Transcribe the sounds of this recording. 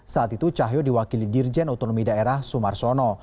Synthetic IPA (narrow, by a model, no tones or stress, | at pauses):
saat̪it̪ut͡ʃaɦjodiwakilidird͡ʒɛnat̪onɔmidaeɾahsumarsɔnɔ